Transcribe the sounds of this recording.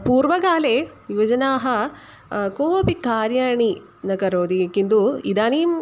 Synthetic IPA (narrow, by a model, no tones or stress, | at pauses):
puːɾʋɐɡaːleʋiʋɐd͡ʒɐnaːɦɐ | koːʋopikaːɾjaːɳi | nɐɡɐɾoːd̪ijɐkind̪uid̪aːniːm